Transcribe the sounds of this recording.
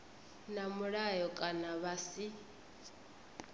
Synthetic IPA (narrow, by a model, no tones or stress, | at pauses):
namuɺajɔkʼanaβasi